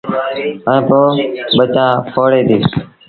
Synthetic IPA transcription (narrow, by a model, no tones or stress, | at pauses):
əẽːpoːɓət͡ʃãːpʰoːɽeːd̪iː